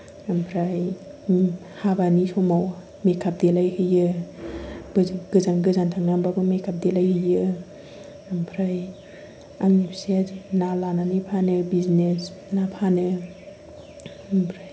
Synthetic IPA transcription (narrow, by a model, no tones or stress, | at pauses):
ampʰɾaj | habanisɔmaw | mekʰap̚delajhɯjɯ | ɡɯzanɡɯzantʰaŋnambabɯmekʰap̚delajhɯjɯ | ampʰɾaj | aŋnipʰsiad͡ʒnalananipʰanɯbiznesnapʰanɯ | ampʰɾaj